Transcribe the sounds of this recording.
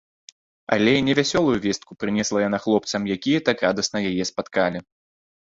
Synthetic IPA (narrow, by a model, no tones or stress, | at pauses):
a̰lʲɛnʲɛvʲasʲɔlˠujuvʲɛst̪kupɾɨnʲɛslˠɐjanɐxlˠɔp̚t̪sɐmjakʲijɐt̪akɾad̪ɐsnɐjajɛspat̪kalʲi